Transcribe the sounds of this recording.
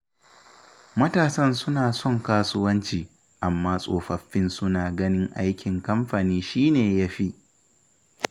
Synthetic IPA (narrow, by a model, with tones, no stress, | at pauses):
mɐ˦taː˨sɐ˦nsʊ˦naː˨sɔ˦˨ŋkaː˦sʊ˦wɐ˦nt͡ʃiː˨ | ʔa˨mːaː˦sʼoː˨ɸɐ˨ɸːɪ˦nsʊ˦naː˨ɡɐ˦nɪ˦ŋʔa˦jkʲɪ˨ŋkɐ˦mɸa˨niː˦ʃiː˦neː˨ja˦ɸi˦ʔ